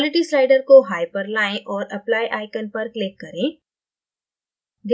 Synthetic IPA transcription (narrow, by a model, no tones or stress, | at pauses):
lɪʈislaːɪɖəɾkoɦaːjpɐɾlaːẽʔɔːɾɐplaːjʔaːɪkənpɐɾklɪkːɐɾẽː | d̪